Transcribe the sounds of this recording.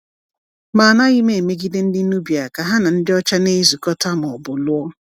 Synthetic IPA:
ma˨na˦ɣɪ˦me˨e˨me˦ɡi˦de˦n̩˦dɪ˦nu˦bja˨ka˨ɦa˦na˨n̩˦dɪ˦ɔ˦t͡ʃa˦ne˦zu˨kɔ˦ta˦m˨ɔ˨bʊ˨lʊ˦ɔ˦

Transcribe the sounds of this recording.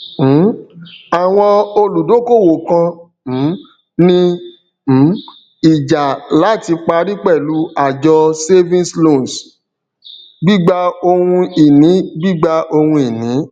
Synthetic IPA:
a˨w̃ɔ̃˧o˧lu˨do˨˦ko˦˨wo˨kã˧˨˦ | nĩ˧˨˦ | i˨d͡ʒa˨la˨˦˨ti˧k͡pa˧ɾi˦k͡pɛ˦˨lu˨˦a˨d͡ʒɔ˧se˦vĩ˦slo˦˨n˨s | ɡ͡bi˦ɡ͡ba˧o˧hũ˧i˨nĩ˨˦ɡ͡bi˦ɡ͡ba˧ʔo˧hũ˧i˨nĩ˨˦

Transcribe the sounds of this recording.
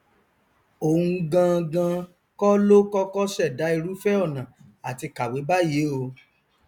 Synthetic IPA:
o˨ũ˧ɡã˧ɡã˧ | kɔ˦lo˦kɔ˦kɔ˦ʃɛ˦˨da˨˦i˧ɾu˦fɛ˦ɔ˦˨nã˨ | a˨ti˧ka˨we˨˦ba˦je˨˦o˧

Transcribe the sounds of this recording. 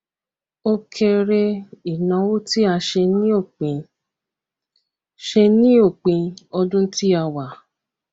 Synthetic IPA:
o˧kʰe˧ɾe˧i˨nã˨wo˦ti˦a˧ʃe˧nĩ˦o˦˨k͡pĩ˧ | ʃe˧nĩ˦o˦˨k͡pĩ˧ɔ˧dũ˦n̩˦ti˦a˧wa˨

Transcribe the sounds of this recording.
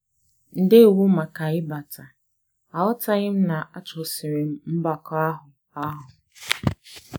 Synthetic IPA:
n̩˨dɪ˦˨wu˦ma˨ka˨ɪ˦ba˨tʰa˨ | a˨wʊ˦ta˦ɣɪ˦m̩˦na˨ʔa˦t͡ʃʊ˨sɪ˨ɾe˨m̩˦m̩˦ba˨ka˦ɦʊ˨ | a˦ɦʊ˨

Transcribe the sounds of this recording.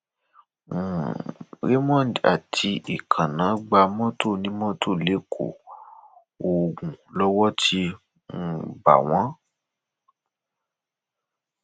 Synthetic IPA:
we˦mɔ̃˦˨da̰˨tʰi˧ʔi˨kʰã˨nã˨˦ɡ͡ba˧mɔ̃˦to˦˨nĩ˦mɔ̃˦to˦˨le˨˦kʰo̰˨ | o˨ɡũ˨lɔ˦wɔ˦ti˧ | m̩˦˨ba̰˨w̃ã˨˦

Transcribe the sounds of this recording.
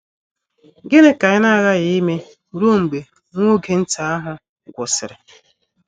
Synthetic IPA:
ɡe˦ne˦ka˨ɪ˦na˦˨ɣa˦ɣɪ˨i˦me˦ | u˨ɾo˦˨ŋ͡m̩˨ɡ͡be˨˦ | ŋʷo˦ɡe˨n̩˦ta˦a˦ɦʊ˦ | ɡʷʊ˨sɪ˨ɾɪ˨

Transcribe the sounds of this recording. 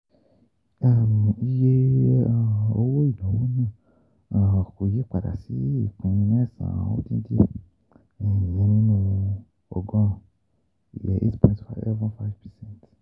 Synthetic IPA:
a˦m˨i˦je˦a˦˨o˧wo˦i˦˨lũ˨˦wũ˦nĩ˦ | ã˨ko˨je˦k͡pa˨da̰˨si˨˦i˦˨kũ˨˧nĩ˧n˦ɛ˦˨sã̰˨˦o̰˦tĩ˦n˦di˦ẽ˦˨ | i˨jɛ̃˨˦nĩ˦nũ˦˨ũ˧ | ɔ̰˨ɡɔ̃˦˨ | ḭ˨jɛ̰˨ʔḛ˦tpʰɔ̃˨tfa˦ɛ˦vɔ̃˦nfa˦jvpʰɛ˨sɛ̃˦nt

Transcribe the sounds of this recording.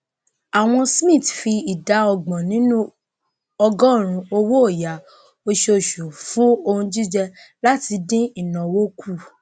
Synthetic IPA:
a˨w̃ɔ̃˧smĩ˦˨tfi˧i˨da˨˦ɔ˧ɡ͡bɔ̃˨nĩ˨˦nũ˦ | ɔ˧ɡɔ˦˨ɾ̃ũ˧o˧wo˦o˦˨ja˨˦ | o˧ʃeo˨ʃo˨fũ˨˦o˧ũ˧d͡ʒi˦d͡ʒɛ˧ | la˦ti˧dĩ˦i˦˨nã˨wo˦ku˦˨

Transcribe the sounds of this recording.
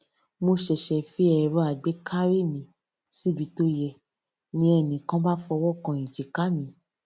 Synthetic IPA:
mo˧ʃɛ˨ʃɛ˨fi˨˦ɛ˨ɾu˦a˨ɡ͡be˨˦kʰa˦ɾi˦˨mĩ˧˦ | si˦bi˨˧˦to˧˦jɛ˧˨ | nĩ˧˦ɛ˧˨nĩ˨kã˦ba˦fɔ˧wɔ˦˨kã˧˨ĩ˨d͡ʒe˨ka˦mĩ˧˦

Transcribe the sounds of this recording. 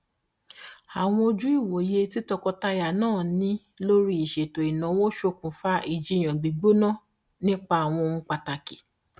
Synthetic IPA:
a˨w̃ɔ̃˧o˧d͡ʒu˦i˦˨wo˨je˧ti˦tɔ˧kɔ˧ta˧ja˨nãː˦˨nĩ˦ | lo˦ɾi˦i˨ʃe˨to˨i˨nã˨˦wo˦ʃo˧kũ˨fa˦ʔi˦˨d͡ʒi˨˦j̃ɔ̃˨ɡ͡bi˨ɡ͡bo˦nã˦˨ | nĩ˦k͡pa˦a˨w̃ɔ̃˧o˧ũ˧k͡pa˧ta˧ki˨

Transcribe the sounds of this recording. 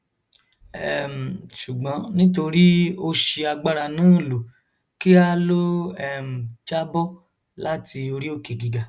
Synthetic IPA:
ɛ˨m̩˨ʃu˨ɡ͡bɔ̃˨˦nĩ˦t̬o˧ɾi˦o˧ʃi˧a˧ɡ͡ba˦ɾa˧nãː˦˨lo˨ | ki˦a˦lo˦ɛ˦˨m̩˨d͡ʒa˦bɔ˦ | la˦ti˧o˧ɾi˦o˦˨ke˨ɡi˨ɡa˨

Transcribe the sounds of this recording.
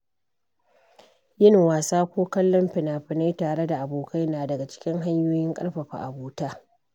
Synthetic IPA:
jɪ˦n˨waː˨saː˦kʷoː˦kɐ˦lːɔ˦mɸɪ˨naː˨ɸɪ˨na˦jtaː˨ɽe˦da˨ʔa˨boː˨kʰa˦jnaː˨dɐ˨ɡa˨t͡ʃɪ̥˦kʲɪ˦ŋɦa˦ɲjoː˦jɪ˦ŋkʼɐ̰˦ɽɸɐ˨ɸa̰˨ʔa˨buː˦taː˦

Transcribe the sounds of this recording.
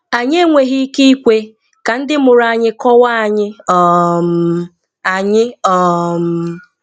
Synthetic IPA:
a˨ɲe˦ŋʷe˨ɦi˦ki˦i˦kʷe˦ | ka˨n̩˦dɪ˦mʊ˨ɾa˨ɲɪ˦kɔ˦wa˦a˨ɲɪ˦ɔ˨m̩ | a˨ɲɪ˦ɔ˨m̩˨

